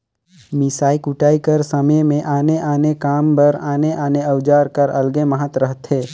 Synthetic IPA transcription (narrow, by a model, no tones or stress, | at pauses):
mɪsaːikʊʈaːikəɾsəməmẽʔaːneʔaːnekaːmbɐɾaːneʔaːneɐwd͡ʒaːɾkɐɾɐlɡeməɦət̪ɾəɦt̪ɦeː